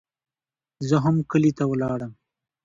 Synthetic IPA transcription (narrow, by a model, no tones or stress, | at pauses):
zəɦamkəlit̪awlɑːɽəm